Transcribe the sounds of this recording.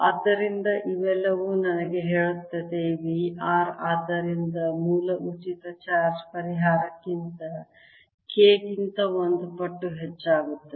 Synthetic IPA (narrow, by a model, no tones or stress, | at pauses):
ɐd̪ːɐɾind̪ɐʔiʋɛlːɐʋuːnɐnɐɡeɦeːɭut̪ːɐd̪eʋiaːɾaːd̪ːɐɾind̪ɐmuːlɐʔut͡ʃit̪ɐt͡ʃaːɾt͡ʃpɐɾiɦaːɾɐkːint̪ɐ | keːkint̪ɐond̪upɐʈːuɦet͡ʃːaːɡut̪ːɐ